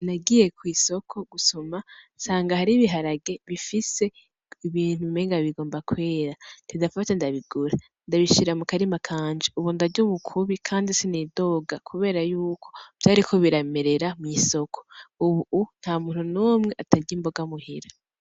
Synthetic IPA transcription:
naɡije̞kwiːso̞kʰo̞ɡusomansaːŋɡahaɾiβiɦaɾaɡe̞βifise̞ | iβiːn̥huimeŋɡaβiɡoːmbakwe̞ːɾatdidafatandaβiɡuɾa | ndaβiʃiɾamukaɾimakʰaːnd͡ʒiuβundaɟomukʰuβikʰaːndisenido̞ːɡakʰuβe̞ːɾajuːkʰo̞v̥jaːɾikʰo̞βiɾameɾe̞ɾamŋiːso̞kʰo̥uβun̥haːmuːn̥hunomŋe̞ʔataɾɟimbo̞ɡamuhiɾa

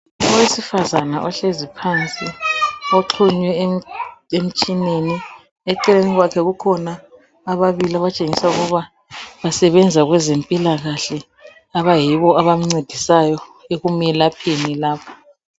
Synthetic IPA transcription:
ɔwesifazanaʔɔɬezipʰant͡sʼioǁʰuɲwɛ | em̩t͡ʃʼineni | ɛǃɛleniɣwakʰɛɣukʰɔnaː | βaβiliaβat͡ʃʼeŋisauɣuβa | βasɛβɛnd͡zʱaɣwɛzempʼilaɣaɬɛ | aβajiβɔaβam̩ŋ͡ǀed̥ʱisajɔeɣumɛlapʰenilaːpʰḁ

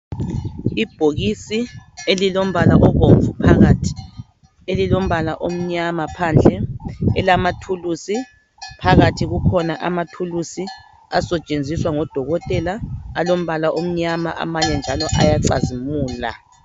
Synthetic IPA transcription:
ib̥ʱoɣisielilom̩βalaʔɔɣoɱfupʰaɣatʰ | elilom̩βalaʔom̩ɲamapʰand͡ɮʱɛɛlamatʰulusi | pʰaɣatʰiɣukʰɔnaʔamatʰulusi | asɛt͡ʃʼend͡zʱiswaŋɔd̥ʱɔɣɔtʼɛlaːlom̩βalaʔom̩ɲama̰ʔa̰maɲɛnd͡ʒʱalɔʔa̰jaǀa̰zimuːla̰

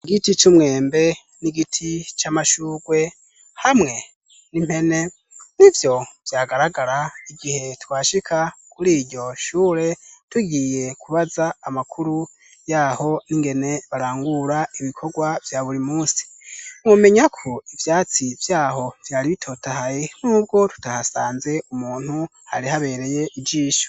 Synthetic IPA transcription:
iɡitit͡ʃumŋe̞ːmbe̞ | niɡitʰit͡ʃamaʃuːɡwe̞ | hamŋe̞ | nim̥he̞ne̞ | nivjo̞v̥jaːɡaɾaɡaɾaiɡihe̞twaːʃikʰakuɾiːɟo̞ʃuːɾe̞tuɡije̞kʰuβazaːmakʰuɾu | jaːho̞niŋɡe̞ne̞βaɾaːŋɡuɾaiβikʰo̞ɡwavjaːβuɾimuːsi̥ | umume̞ɲakʰoivjaːt͡sivjaːho̞v̥jaːɾiβitʰo̞ːtahajen̥uːb̚ɡo̞tu̥tahasaːnze̞ʔumuːn̥hu | ha̰ɾihaβe̞ːɾe̞je̞ʔid͡ʒiːʃo̥

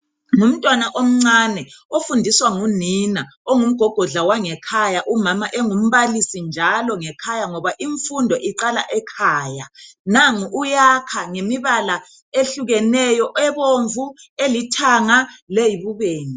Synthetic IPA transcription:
ŋum̩tʼwanaʔom̩ŋ͡ǀanɛofundʱiswaŋuninaoŋum̩ɡ̥ʱɔɡ̥ʱɔɮawaŋɛkʰajaʔumamaʔɛŋum̩βalisind͡ʒʱalɔŋɛkʰajaŋɔβaʔiɱfundʱɔʔiǀala̰ʔɛkʰaːjanaŋujakʰaŋemiβala | eɬuɣɛnɛjɔʔɛβoɱvuelitʰaŋalejiβuβeːni

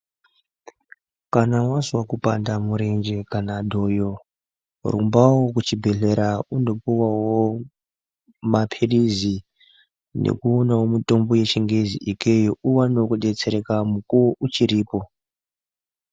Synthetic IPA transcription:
kanawazwakupandamuɾend͡ʒe̞kanadʱo̞jo | rumbawokut͡ʃibʱe̞ɮe̞ɾaundo̞puwawo | mapʰeɗizi | nḛkuonawomito̞mbo̞je̞t͡ʃiŋɡeziʔike̞jouwanokuɗe̞t͡se̞ɾe̞kamukuʔut͡ʃiɾiːpo̞

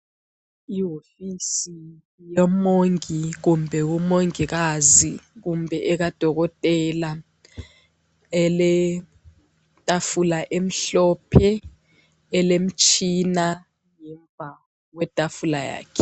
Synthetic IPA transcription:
iɦofisi | jɔmoŋik̬umbʱɛk̬umoŋik̬azik̬umbʱɛʔɛk̬ad̥ʱɔk̬ɔtʼɛla | ɛlɛ | tʼafulaʔem̩ɬɔpʰɛː | lem̩t͡ʃʼʰina | ŋɛɱb̪vʱa | k̬wɛtʼafulaja̰ːkʰɛ̥

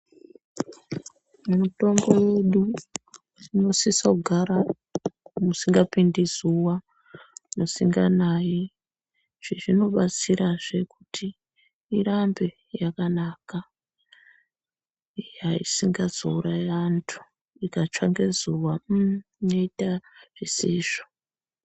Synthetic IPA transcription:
mumuto̞mbo̞je̞ɗu | ino̞sisauɡʱaɾa | musiŋɡapindizuwa | nosiŋɡanaji | ʐ̥iʐino̞ɓat͡siɾaʐe̞kutʰiː | rambe | jakanaka | iɦaisiŋɡazouɾaantʰu̥ | ikat͡ʂaŋɡezuwaino̞itaʐ̥isiːʐ̥o

